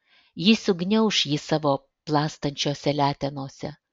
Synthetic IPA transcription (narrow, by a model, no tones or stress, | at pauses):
jiːsʲʊɡnʲɛʊʃjisɑːʋoː | plˠɑːst̪ɐnʲt͡ʃʲoːsʲɛlʲæːt̪ʲɛnoːsʲɛ